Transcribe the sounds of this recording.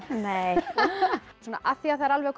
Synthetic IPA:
nej | soːna̰ʔaθiaθaɛɾalvɛɣkʰ

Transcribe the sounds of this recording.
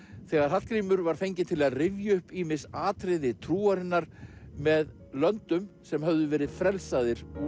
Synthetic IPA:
θɛɣaɾ̥ɦat̪kʰɾiːmʏɾvaɾ̥fejɲcɪt̪ʰɪlaðrɪvjaʏhpiːmɪsaːt̪ɾɪðɪt̪ʰɾuːaɾɪnːaɾ̥mɛð | lœnt̪ʏmsɛmɦœvðʏvɛːɾɪðfɾɛlsaðɪɾ̥

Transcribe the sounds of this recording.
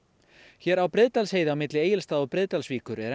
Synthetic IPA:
çɛːɾawpɾɪðt̪alsheːjðɪawmɪt̪lɪeːjɪlst̪aːðɔpɾɪðt̪alsviːkʏɾɛɾ

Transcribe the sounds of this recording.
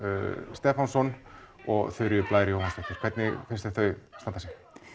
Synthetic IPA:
st̪ɛːfansɔn | ɔɣθœɥɾɪplaːjɾɪjoːwhanst̪ɛht̪ʏɾ̥kʰvɛt̪nɪfɪnst̪ɪ̥θœɥst̪ant̪ːasɪ

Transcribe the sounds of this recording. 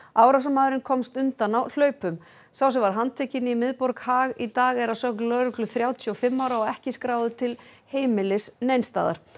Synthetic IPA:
awɾas̬amaːðʏɾɪnkʰɔmst̪ʏnt̪anawl̥œːɥpʏm | saws̬ɛmvaɾɦant̪ʰɛhcɪnɪimɪðpɔɾkhaːɣit̪aːɣɛɾaðsœhknlœːɾʏklʏθɾjaːwt̪ʰjʏɔfɪmːaːwɾaɔɛhcɪskɾaːwðʏt̪ʰɪl | heːjmɪlɪsnejnst̪a̰ːða̰ɾ̥

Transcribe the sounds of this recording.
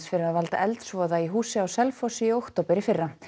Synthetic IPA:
sfɪɾavalt̪a̰ʔɛlt̪svɔːðaiɦuːsɪawsɛlfɔsiowht̪oːwpɪɾifɪrːa

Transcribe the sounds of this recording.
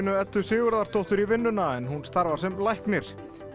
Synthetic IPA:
nʏɛt̪ːʏ̥sɪːɣʏɾðaɾ̥t̪ʰowht̪ʏɾivɪnːʏnaɛnhunst̪aɾvaɾ̥sɛmlajhknɪɾ̥

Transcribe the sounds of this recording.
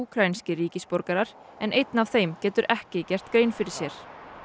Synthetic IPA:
uːkʰɾajnscɪɾiːcɪspoɾkaɾaɾ̥ | ɛnʔejt̪nav̥θejmcɛːt̪ʏɾʔɛhcɪcɛr̥t̪kɾeːjnfɪɾɪɾ̥sjɛɾ̥

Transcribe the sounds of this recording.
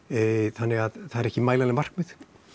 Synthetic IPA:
θanːɪɣaðθaðɛɾɛhcɪmaːjlalɪmar̥kmɪð

